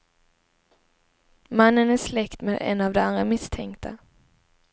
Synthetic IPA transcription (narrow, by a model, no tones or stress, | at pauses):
manːənæʂlɛkt̪meːd̪ɛ̰nːavd̪ɛand̪ɾamɪst̪ʰɛŋkt̪ʰa